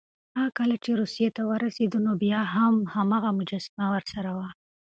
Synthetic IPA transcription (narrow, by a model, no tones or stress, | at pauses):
akəlat͡ʃeɾusijet̪awəɾased̪ənobjɑɦamhamaɣamʊd͡ʒasɪmawəɾsaɾawa